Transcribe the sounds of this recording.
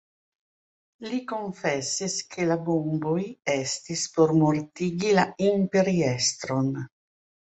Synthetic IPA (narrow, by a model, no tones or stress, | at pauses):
likoɱfɛsiskʰelabombojɛst̪ispoɾmoɾt̪iːɡilaimpeɾiɛst̪ɾon